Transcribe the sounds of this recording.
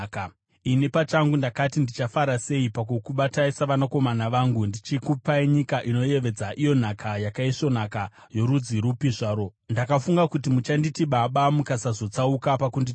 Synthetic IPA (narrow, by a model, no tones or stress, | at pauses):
ka | inipat͡ʃaŋɡundakatindit͡ʃafaɾase̞ipakukuɓataisaʋanako̞manaʋaːŋɡundit͡ʃikupaiɲikaʔino̞je̞ʋe̞d͡zaʔijo̞n̤akʰajakaiʂo̞n̤aka | jo̞ɾud͡ziɾupiʐaːɾo̞ndakafuŋɡakutimut͡ʃanditiɓaɓamukasazo̞t͡saukapakundi